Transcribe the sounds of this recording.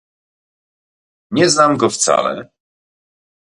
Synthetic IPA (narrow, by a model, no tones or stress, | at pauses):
ɲɛznamɡɔft̪sa̰lɛ̰